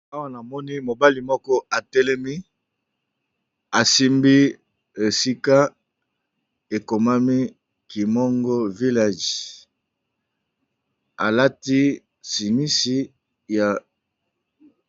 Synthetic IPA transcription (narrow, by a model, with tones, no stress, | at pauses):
a˦wa˦na˨mɔ˦ni˦mo˨ba˦li˨mɔ˦kɔ˦a˨tɛ˦lɛ˦mi˦ | a˨si˦mbi˦ | e˨si˦ka˦ | e˨ko˨ma˦mi˦ | ki˨mo˦ŋɡo˦vi˦la˦˨ʒi̥˨ | a̰˨la˦ti˦ | si˨ŋi˦si˦ | ja˨